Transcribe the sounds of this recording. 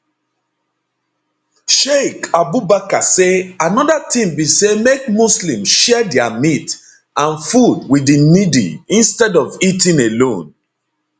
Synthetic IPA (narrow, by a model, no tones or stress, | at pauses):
ʃekabubakaseanɔdatĩmbisemek̚muslĩmʃɛdɛamit | ãnfudwidinidḭĩnstɛdɔvitĩnelõn